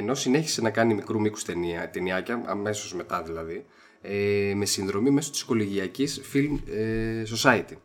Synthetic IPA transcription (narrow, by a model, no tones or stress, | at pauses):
eno̞sine̞çi̥se̞nɐkɐnimikɾumiku̥st̪eniɐt̪e̞niɐcɐɐ̰me̞so̞zme̞t̪ɐðilɐði | eme̞sinðɾo̞mime̞so̞t̪i̥sko̞liʝiɐcisfilmes̬o̞sɐit̪i